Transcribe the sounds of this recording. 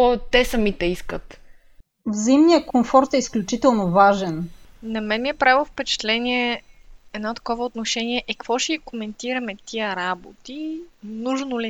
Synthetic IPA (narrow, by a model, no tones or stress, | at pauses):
ɔt̪ɛsɐmit̪ɛiskət̪ | vzəimnijəkomfɔɾt̪ɛisklʲut͡ʃit̪ɛlˠnovaʒɛnnɐmɛnmiɛpɾavilˠfpɛt͡ʃɛ̥t̪lɛniɛɛd̪nɔt̪ɐ̥kɔvəot̪noʃɛniɛʔɛkkvɔʃɛikomɛnt̪iɾɐmɛt̪ʰiəɾabot̪inuʒnoli